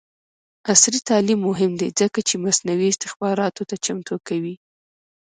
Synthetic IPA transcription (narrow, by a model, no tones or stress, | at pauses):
asɾit̪ɑlimːʊɦɪmd̪ezəkat͡ʃemasnawiɪst̪ɪxbɑɾɑt̪ot̪at͡ʃamt̪okawi